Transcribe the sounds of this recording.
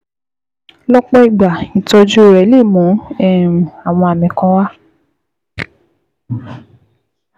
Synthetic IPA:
lɔ˦k͡pɔ˦i˨ɡ͡ba˨i˨tɔ˧d͡ʒo˦o˨ɾɛ˨˦le˦˨mũ˨˦ɛ˦˨ũ˨a˨w̃ɔ̃˧a˨mĩ˨kã˧˦wa˦

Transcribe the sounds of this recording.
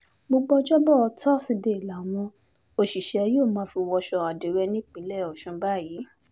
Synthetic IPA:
ɡ͡bo˧ɡ͡bɔ˧d͡ʒɔ˦bɔ˦˨ɔ˧tʰɔ˦si˧de˧i˨la˨w̃ɔ̃˧ | o˧ʃi˨ʃɛ˨˧˦joː˦˨mã˨˦fi˧wɔ˧ʃɔ˧a˨de˨˦ɾɛ˧nĩ˦k͡pĩ˨˦lɛ˦˨ɔ˨ʃũ˨˧ba˦˨jiː˨˦

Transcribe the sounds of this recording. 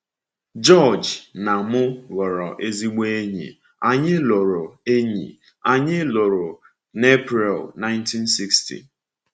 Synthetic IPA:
d͡ʒɔ˦˨d͡ʒna˨mʊ˦ɣɔ˨ɾɔ˨ʔe˦zi˦ɡ͡be˦e˦ɲḭ˨ | a˨ɲɪ˦lo˨ɾo˨e˦ɲḭ˨ | a˨ɲɪ˦lo˨ɾo˨ | ne˦pɾi˨lna˦ɪ˦nti˦n̩si˦kstḭ˨

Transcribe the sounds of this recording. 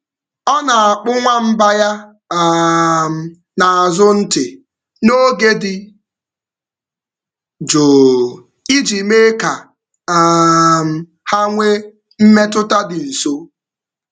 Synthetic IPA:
ɔ˦na˨a˨k͡pʊ˦ŋʷa˦m̩˦ba˦ja˦˨ | m̩˨ | na˨a˨zʊ˦n̩˦tɪ˨ | no˦ɡe˦dɪ˨ | d͡ʒoː˨ | i˦d͡ʒi˨me˦ka˨ | m̩˨ | ha˦ŋʷe˦ | m̩˦me˦tʊ˦ta˦dɪ˨n̩˨so˦

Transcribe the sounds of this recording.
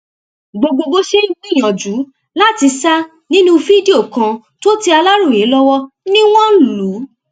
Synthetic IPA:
ɡ͡bo˧ɡ͡bo˧ɡ͡bo˧ʃe˦i˦ɡ͡bĩ˦˨j̃ɔ̃˨d͡ʒu˨˦ | la˦˨ti˧sa˦ | nĩ˦nũ˦fi˦di˦o˦˨kã˧ | to˦ti˧a˧la˦ɾũ˦˨je˨˦lɔ˦wɔ˦ | nĩ˦w̃ɔ̃˦lu˨˦

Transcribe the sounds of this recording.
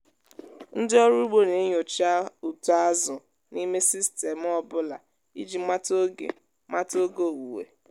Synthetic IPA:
n̩˦dɪ˦ɔ˦ɾu˦ɡ͡bo˦ne˨˦ɲo˨t͡ʃa˦u˨tu˨a˦zʊ˨ | ni˦me˦si˦ste˨m̩˨ɔ˦bʊ˦la˨ | ḭ˦d͡ʒi˨ma˦to˦ɡḛ˨ | ma˦to˦ɡo˦˨wu˨wḛ˨

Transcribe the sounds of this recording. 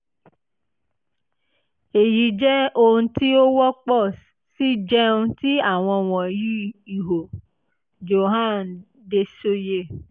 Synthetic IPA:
e˨ji˨˦d͡ʒɛ˦o˧ũ˧˦ti˦o˦wɔ˦k͡pɔ˦˨s | si˦d͡ʒɛ˦ũ˧˦ti˦a˦˨w̃ɔ̃˧w̃ɔ̃˨ji˦i˨ɦo˨ | d͡ʒo˨ɦã˦˨n˨ | de˧so˦je˧

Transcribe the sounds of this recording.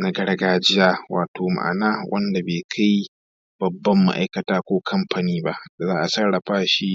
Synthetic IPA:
na˦ɡɐ˦ɽɡaː˦d͡ʒɪ˦jaː˦wa̰ː˨toː˨ma̰˨ʔa̰˨naː˦wʔɐ˦nda˨beː˨kʰa˦j | b̥ɐ˨bːɐ˦mːa̰˦ʔa̰˦jkɐ˨taː˦kʷoː˦kʰɐ˦mɸa˨niː˦ba˦ʔda˨zaː˦ʔa˨sɐ˦ɽɽɐ˨ɸaː˦ʃi˦

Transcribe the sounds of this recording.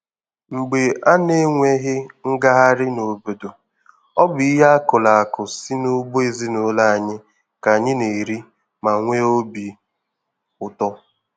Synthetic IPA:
ŋ͡m̩˨ɡ͡be˨ʔa˦ne˦ŋʷe˦ɦɪ˦ŋ̩˦ɡa˦ɦa˦ɾɪ˦no˨bo˨do˨ | ɔ˦bʊ˨i˦ɦa˦a˦kʊ˨la˨a˨kʊ˨si˦no˦bo˦e˨zi˦no˨˦la˦a˨ɲɪ˦ | ka˨ɲɪ˦ne˨ɾi˦ | ma˨ŋʷe˦o˦bi˨ | ʊ˨tɔ˦

